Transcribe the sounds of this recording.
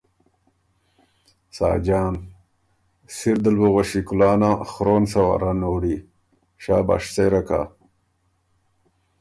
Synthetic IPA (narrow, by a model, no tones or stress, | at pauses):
sa̰ːd͡ʑaːn | siɾd̪əlboɣoʃikulaːnaxɾonsɐwa̰ɾanoːɽi | ɕaːba̰ːʂseɾaka̰